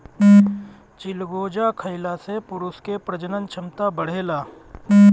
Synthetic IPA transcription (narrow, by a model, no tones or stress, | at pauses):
t͡ʃɪlɡoːd͡ʒakʰəɪlasepʊɾʊskepɾəd͡ʒənənt͡ʃʰəmt̪abəɽ̤eːlaː